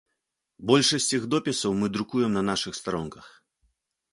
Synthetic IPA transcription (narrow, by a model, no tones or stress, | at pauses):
bɔlʲʂɐsʲt͡sʲiɣd̪ɔpʲɛsɐwmɨd̪ɾukujɛmnɐnaʂɨxst̪aɾɔnkɐx